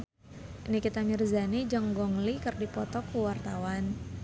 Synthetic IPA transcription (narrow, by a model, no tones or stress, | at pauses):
inikit̪amirzanid͡ʒəŋɡɔŋlikərdipɔt̪ɔkuwart̪awan